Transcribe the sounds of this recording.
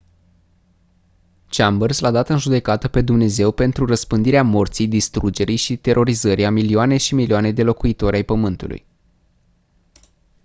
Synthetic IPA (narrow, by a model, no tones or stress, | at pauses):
t͡ʃambərzlad̪at̪ɨnʒud̪e̞kat̪əpe̞d̪umne̞ze̞wpe̞nt̪ɾurəspɨnd̪iɾeamo̞rt̪sijd̪ist̪ɾud͡ʒe̞ɾijʃit̪e̞ɾʔo̞ɾizəɾiamilioane̞ʃimilioane̞d̪e̞lo̞kuit̪o̞ɾʲajpəmɨnt̪ṵlʔṵj